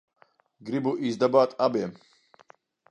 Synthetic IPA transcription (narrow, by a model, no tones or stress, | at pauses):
ɡɾibuʔizd̪ɐbaːt̪ʼabɛm